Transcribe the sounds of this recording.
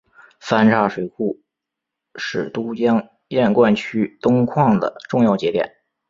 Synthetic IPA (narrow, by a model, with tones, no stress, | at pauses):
fa˥nʈ͡ʂʰa˥˩ʂwe˨˩ɪxu˥˩ | ʂɻ̩˨˩t̪u˥t͡ɕjɑ˥ŋ | jɛ˥˧nkwa˥˩nt͡ɕʰy˥t̪ʊ˥ŋkʰwɑ˥˩ŋd̪ə̰˩ʈ͡ʂʊ˥˧ŋjɑ˥˩ʊt͡ɕjɛ˧˥t̪jɛ̰˨˩˦n